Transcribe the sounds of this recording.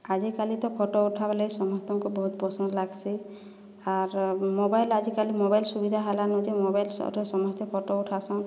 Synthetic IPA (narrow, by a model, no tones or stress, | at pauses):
ad͡ʒikalit̪ɔpʰoʈouʈʰabelejsɔmɔst̪ɔŋkubɔɦut̪pɔsɔnd̪laɡsi | aɾmobajlad͡ʒikalimobajlsubid̪ʱaɦalanud͡ʒemobajlsɔ̰ʈʰɔsɔmɔst̪epʰɔʈouʈʰasɔ̃